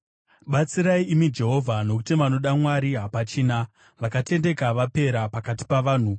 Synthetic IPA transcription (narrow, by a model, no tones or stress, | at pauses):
ɓat͡siɾaiimid͡ʒe̞ɦo̞vʱano̞kutiʋano̞ɗamwaɾiɦapat͡ʃiːna | ʋakate̞nde̞kaʋape̞ɾapakati̥paʋaːn̤u